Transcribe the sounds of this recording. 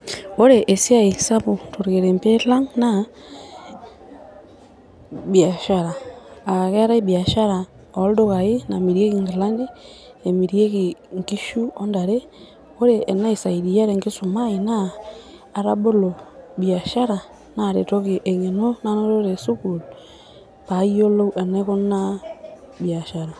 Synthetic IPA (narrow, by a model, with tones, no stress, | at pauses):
o˦ɾe˨ʔe˨si˦a˦i˨sa˦βu˨to˨ɾɣe˨ɾe˨mpe˦la˦ŋna˦ | bja˨ʃa˨ɾaː˨a˨ɣe˦ɾa˦i˦bja˨ʃa˦ɾa˨ | o˨˦ldo˦ɣa˨i˦na˨mi˨ɾje˦ɣi˨ŋɡi˨la˦ndi˦ | e˨mi˨ɾje˦ɣi˨ŋki˦ʃu˦o˦nda˨ɾe˦ | o˦ɾeː˦˨na˦i˨sa˨i˨ɾi˨ja˦ɾe˨ŋɡi˦su˨ma˦e˨naː˦˨ | ɾa˦bo˦lo˨bja˨ʃa˦ɾa˨ | na˨ɾe˨to˦ke˨ʔe˨ŋe˨no˦na˦no˦ɾo˦ɾe˨su˦ku˨l | pa˨˦i˦o˦lo˦u˦ʔe˨ne˦ko˦na˦ | bja˨ʃa˨ɾa˨